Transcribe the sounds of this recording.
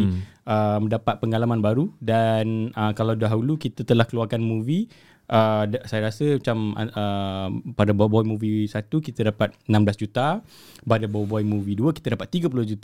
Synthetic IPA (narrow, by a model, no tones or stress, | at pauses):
əmə̃ndapat̪̚pəŋalamanbaɾudanəkalawdaɦaulukit̪ət̪əlahkəluarkanmũvi | ʔədsajaɾasəmat͡ʃamaəpadababɔjmũvisat̪ukit̪ədapat̪̚ənãmblasd͡ʒut̪a | badabɔjbɔjmũviduəkit̪ədapat̪ːiɡəp̬ulʊhd͡ʒut̪